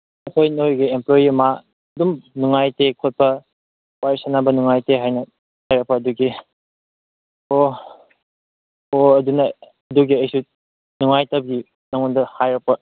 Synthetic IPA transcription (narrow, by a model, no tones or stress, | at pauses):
ɐkʰojnojɡiemplojiɐma | dumnuŋajtekʰot̚pɐ | wajsanabɐnuŋajteɦajnɐ | hajɾɐk̚pɐːduɡi | o | oɐdunɐ | ɐduɡiɐjsu | nuŋajtɐb̚ɡi | nɐŋundɐhajɾɐk̚pɐ